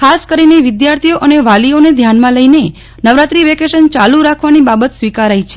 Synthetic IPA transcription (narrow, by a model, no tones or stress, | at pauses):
kʰaskəɾineʋɪd̪jaɾt̪ʰioʔəneʋalioned̪ʱjanmãləine | nəʋɾat̪ɾiʋekeʃənt͡ʃaluɾakʰʋanibabət̪sʋikaɾajt͡ʃʰe